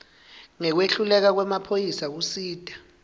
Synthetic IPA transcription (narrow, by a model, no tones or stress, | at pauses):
ŋɛk̬weɬulɛk̬ak̬wɛmapʰojisak̬usiːd̥ʱʼḁ